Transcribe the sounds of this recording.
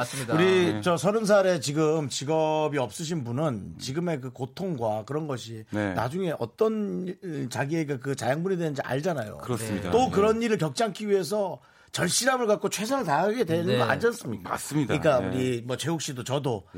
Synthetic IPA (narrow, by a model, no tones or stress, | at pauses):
suɾit͡ɕʌsʰʌɾɯns̬ʰaɾe̞t͡ɕiɡɯmt͡ɕiɡʌbiʌp̚s͈ɯɕ̬ʰinbunɯnt͡ɕiɡɯme̞k̬ɯkotʰoŋɡwakɯɾʌnɡʌɕ̬ʰinna̰d͡ʑuŋe̞ʔʌ̰t͈ʌn | t͡ɕaɡie̞ɡekɯt͡ɕajaŋbunedwenɯnd͡ʑiʔa̰ɭd͡ʑanajo̰kɯɾʌsida̰t͈okɯɾʌniɾɯɭkjʌk̚t͡ɕ͈aŋkʰiɥiɦe̞s̬ʰʌ | t͡ɕʌɭɕ͈iɾamɯɭkat̚k͈ot͡ɕʰwe̞s̬ʰaɾɯɭtaaɡe̞dwe̞nɯnɡʌa̰ɲd͡ʑans͈ɯmɲik͈aa̰s͈ɯmiɲik͈aṵɾimwʌt͡ɕe̞uk̚ɕ͈idot͡ɕʌdo